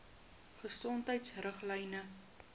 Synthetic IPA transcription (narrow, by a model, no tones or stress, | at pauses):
χəsɔntəjtsrəχlɛjnə